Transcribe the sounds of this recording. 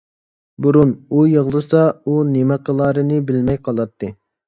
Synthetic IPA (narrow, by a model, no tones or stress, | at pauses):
buɾunujəʁlˠɨsɑunemɛqʰəlˠɑːɾɨnɨbɪlmɛjqʰɑlˠɑt̪ʰːɨ